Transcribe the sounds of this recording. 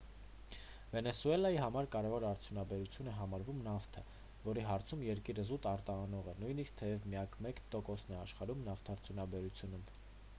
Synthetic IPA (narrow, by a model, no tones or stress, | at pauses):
vɛnɛsuɛlɑjiɦɑmɑɾkɑɾɛvɔɾɑɾt͡sʰjunɑbɛɾut͡sʰjunɛɦɑmɑɾvumnɑft̪ʰə | vɔɾiɦɑɾt͡sʰumjɛɾkiɾəzut̪ɑɾt̪ɑːnɔʁɛnujnisk̚t̪ʰɛjɛvmijɑkʰmɛkt̪ɔkɔsnɛɑʃχɑɾumnɑft̪ʰɑɾt͡sʰjunɑbɛɾut͡sʰjunum